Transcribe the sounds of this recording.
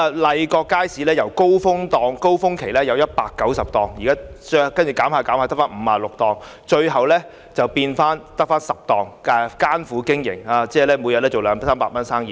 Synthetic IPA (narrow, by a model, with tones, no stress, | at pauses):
lɐ˨˧jkɔː˧kːaː˥jsiː˨˥lɛː˥jɐ˨˩wko˥wfʊ˥ŋt̪ɔː˨ŋko˥wfʊ˥ŋkʰe˨˩jlɛː˥jɐ˨˧wjɐ˥t̚paː˧kːɐ˨˥wsɐ˨p̚t̪ɔː˨˩ŋjiː˨˩kaː˥˧kɐ˥nt͡ʃy˨˩kaː˨˥mhaː˨˧kaː˨˥mhaː˨˧t̪kfaː˥nm̩ː˨˧paː˨˧lʊ˨k̚t̪ɔː˨ŋ | t͡ʃɵ˧ɥɦɐ˨wlɛː˥ | t͡sɐ˨˩wpiː˧nfaː˥nt̪ɐ˥k̚faː˥nsɐ˨p̚t̪ɔː˨ŋa˨˩kaː˥nfuː˨˥kɪ˥ŋjɪ̰˨˩ŋaː˨˧t͡sɛː˥˩lɛː˥mu˨˧jɐ˨t̚lɛː˥t͡so˨wlœː˨˧ŋsaː˥mpaː˧k̚mɐ˥nsaː˥ŋjiː˨